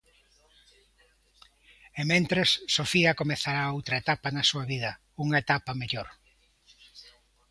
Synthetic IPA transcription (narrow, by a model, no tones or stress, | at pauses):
emẽnt̪ɾesːofiɐkomeθaɾaowt̪ɾɐet̪apɐnɐsuɐβiðɐ | uŋɐet̪apɐmeʎoɾ